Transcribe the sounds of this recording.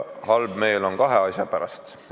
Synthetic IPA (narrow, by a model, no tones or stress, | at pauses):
hɑlb̥me̞jːlo̞nkɑɦeɑsʲjɑpæɾɑ̰st̪